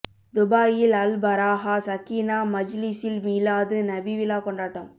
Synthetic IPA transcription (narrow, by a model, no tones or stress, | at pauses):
d̪ʊbaːjɪlɐlbɐɾaːɣasɐkːiːnaːmɐd͡ʒlɪsɪlmiːlaːðɯnɐbiʋɪlaːkɔɳɖaːʈːɐm